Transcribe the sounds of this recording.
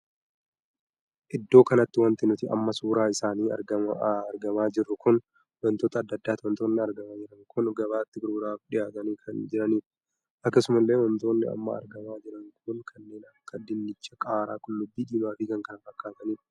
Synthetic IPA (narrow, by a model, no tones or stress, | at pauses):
ʔɪd̪ːo̞ːkɐnɐt̪ːɪwɐnt̪ɪnʊt̪ɪʔɐ̰mːɐsuːɾaːɪsaːniːɐ̰ɾɐɾɡɐmaːd͡ʒɪrːʊkʊn | wɔnt̪oːt̪ɐːd̪ːɐd̪ːaːt̪ɔnt̪oːnːɪɐɾɡɐmaːd͡ʒɪɾɐŋkʰʊnɡɐβaːt̪ːɪɡʊɾɾaːfᶑɪjaːt̪ɐniːkʰɐnd͡ʒɪɾɐniːɾɐ̥ | ʔɐkːɐsʊmɐlːe̞ːwɔnt̪o̞ːnːɪɐ̰mːɐɐ̰ɾɡɐmaːd͡ʒɪɾɐŋkʰʊŋkʰɐnːe̞ːnɐkːɐd̪ɪnːɪt͡ʃːɐkʼaːɾaːkʊnlʊbːiːᶑ̪iːmaːfiːkɐŋkɐnɐfɐkːaːt̪ɐniːɾɐ